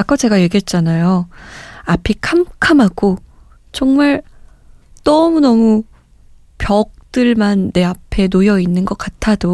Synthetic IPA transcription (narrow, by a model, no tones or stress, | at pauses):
ak͈ʌt͡ɕe̞ɡajeɡiɦet̚t͡ɕ͈anajo | apʰikʰamkʰamɦaɡo | t͡ɕʌŋmaɭ | tʌmunʌmu | pjʌk̚t͈ɯɭmanːe̞apʰe̞nojʌinːɯnɡʌk͈atʰado